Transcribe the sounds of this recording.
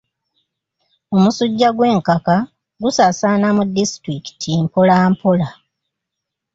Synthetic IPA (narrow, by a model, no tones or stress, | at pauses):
o̞musuɟːaɡwe̞ːŋkaka | ɡusasaːnamudːistɾiki̥tʰimpo̞laːmpo̞la